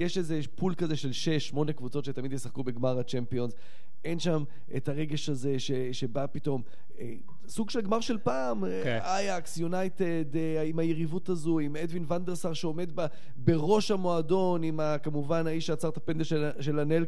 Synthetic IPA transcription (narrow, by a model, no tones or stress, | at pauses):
jeʃezepulkazeʃelʃeʃːmo̞nekvut͡so̞tʃe̞tamid̪jesaχkube̞ɡmaʁat͡ʃempio̞nz | ʔe̞nʃam | ʔḛtaʁe̞ɡe̞ʃaze̞ʃe | ʃe̞bapito̞m | e | suɡʃelɡmaʁʃe̞lpaːm | ajaksjunajt̪ed̪ | imajeʁivutazuimed̪vinvand̪eʁsaʁʃeome̞d̪ba | be̞ʁo̞ʃhamo̞ado̞nimakamuvanaiʃeat͡saʁt̪apend̪eʃe | ʃelanel